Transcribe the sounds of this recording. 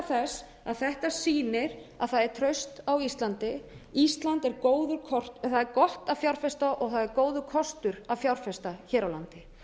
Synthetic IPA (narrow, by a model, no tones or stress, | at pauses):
θɛs | aðθɛht̪asiːnɪɾaðθaðɛɾ̥t̪ʰɾœɥst̪awist̪lant̪ɪist̪lant̪ɛɾkoːwðʏɾkʰɔr̥t̪θaðɛɾkɔht̪ḁfjawɾ̥fɛst̪aʔɔɣθaðɛɾkoːwðʏkʰɔst̪ʏɾaðfjawɾ̥fɛst̪açɛːɾawlant̪ɪ